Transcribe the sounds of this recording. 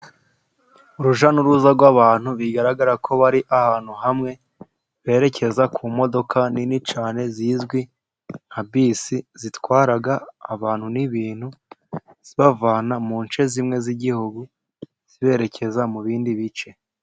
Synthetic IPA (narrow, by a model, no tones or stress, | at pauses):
uɾuʒanuɾuzaɾɡwaβaːn̥huβiɡaɾaɡaɾakʰo̞βaɾiʔahaːn̥huhamŋe̞ | βe̞ːɾe̞cʰe̞zakʰuːmo̞do̞kʰaninit͡ʃaːne̞zizɡwi | nhabiːsizitwaːɾaɡaːβaːn̥huniβiːn̥hu | z̥iβavaːnamuːnt͡ʃe̞zimŋe̞ziɟihuɡu | z̥iβe̞ːɾe̞cʰe̞zamuβiːndiβit͡ʃe̞